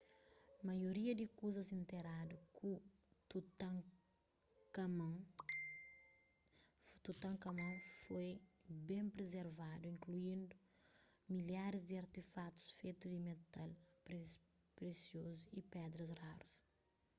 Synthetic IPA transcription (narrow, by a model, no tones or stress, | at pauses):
mɐjoɾiɐd̪ikuzɐzĩnt̪eɾad̪ukʰu | t̪ut̪ã | kɐmɐ̃ | u̥t̪ut̪ɐ̃ŋkɐmɐ̃wfojbẽmpɾezeɾvad̪uĩŋkluĩnd̪u | miljaɾizd̪iɐɾt̪efat̪u̥sfet̪ud̪imet̪alp | pɾesjozuipɛd̪ɾɐzraɾus